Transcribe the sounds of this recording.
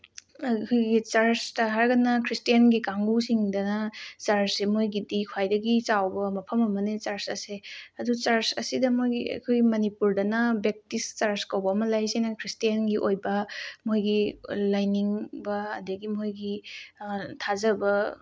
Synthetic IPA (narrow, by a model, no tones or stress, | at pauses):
kʰojɡit͡ʃaɾstɐɦaɾɡɐnɐkʰɾistijanɡikaŋɡusiŋdɐnɐt͡ʃaɾsemojɡidikʰwajdɐɡit͡ʃawbɐmɐpʰɐmɐmɐnet͡ʃaɾsɐ̰seɐdut͡ʃaɾsɐ̰sidɐmojɡiɐ̰kʰojmɐnipuɾdɐnɐbek̚tist͡ʃaɾskɐwbɐːmɐlajsejnɐkʰɾistijanɡiʔojbɐmojɡilajniŋbɐ̰ːdɐɡimojɡi | tʰazɐbɐ